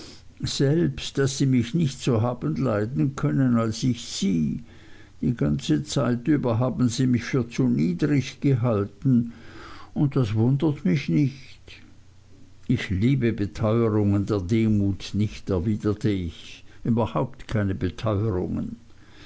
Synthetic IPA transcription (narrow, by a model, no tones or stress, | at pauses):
z̥ɛlpstd̥asz̥iːmɪçnɪçtsoɦaːbən̩laɪdn̩kʰœnənalsɪçsiː | d̥iːɡant͡sət͡saɪtyːbɐɦaːbn̩ziːmɪçfyːɐt͡suniːdʁɪçɡ̥əɦaltn̩ | ʊnt̚d̥asvʊndətmɪçnɪçt | ɪçliːbəbətʰɔʏəʁʊŋəndeːɐdeːmuːtnɪçtɛɐviːdɐtʰəɪçʔyːbɐhaʊptkʰaɪnəbətʰɔʏəʁʊ̰ŋə̰n